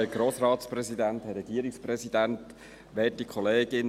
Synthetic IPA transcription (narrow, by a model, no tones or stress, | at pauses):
ɛɡɾoːsɾɑːt̪spɾɛsidænthɛɾːɛɡ̥iːɾɪkspɾɛsidænt | ʋɛːtikʰχɔleːɡɪn